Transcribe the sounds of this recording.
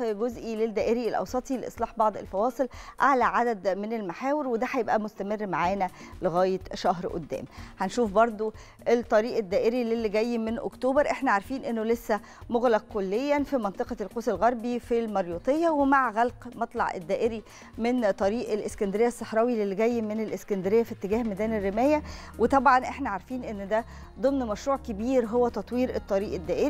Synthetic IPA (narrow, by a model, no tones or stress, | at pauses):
ɡozʔiled̪ːæːʔeɾielʔɑ̰wsˤɑt̪ˤileʔḛsˤlɑːħbɑʕd̪ˤḛlfɑwɑːsˤɨlʕaʕlæʕad̪æd̪menelmaħæːweɾwed̪æħæjebʔæmost̪æmerːmaʕaːnæleɣæːjet̪ʃɑɦɾʔo̰d̪ːæ̰ːmħænʃuːfbɑɾˤd̪ˤo | ʔet̪ˤːɑɾiːʔed̪ːæːʔeɾilelːiɡæjːmenʔo̰kt̪oːbɑɾˤʔeħnæʕaɾfiːnʔenːolesːæ | moɣlæq̚kolːejːænfimɑnt̪ˤeqɑlqoːselɣɑɾˤbifilmɑɾjuːt̪ˤejːɑwemaʕɣælqmɑt̪ˤlɑ̰ʕḛd̪ːæːʔeɾi | ment̪ˤɑɾiːʔelʔeskænd̪eɾejːæsˤːɑħɾˤɑːwilelːiɡæjːmenelʔeskænd̪eɾejːæfit̪ːeɡæːhmæd̪æːnerːemæːjæwet̪ˤɑbʕɑnʔeħnæʕaɾˤfiːnʔenːd̪æ | d̪ˤɨmnmæʃɾuːʕkebiːɾɦowːæt̪ɑt̪ˤwiːɾʔet̪ˤːɑɾiːʔed̪ːæːʔeɾ